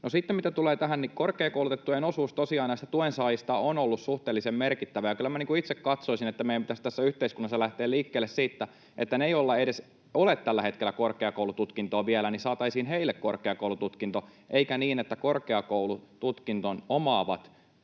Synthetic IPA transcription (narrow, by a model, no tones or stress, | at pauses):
nosit̪ːemit̪æt̪uleːt̪æɦænnikorkˑeːkoulut̪et̪ːujenosuːst̪osiɑːnæst̪æt̪uensɑːjist̪ɑonolːussuht̪eːlːisemmerkit̪ːæʋæjɑkylːæmæniŋkuit̪sekkɑt̪soisinet̪ːæmejæmpit̪æst̪æsːæyht̪eiskunːɑsːɑlæht̪eːliːkːeːlːessiːt̪ːæ | ʔet̪ːæneijolːɑeɾes | olet̪t̪ælːæhe̞t̪k̟elːækorkeɑkoulut̪ut̪kint̪oːʋielænisɑːt̪ɑisiːnheilːekkorkeɑkoulut̪ut̪kint̪oʔeikæniːnet̪ːækorkeɑkowlut̪ut̪kint̪onomɑːʋɑt̪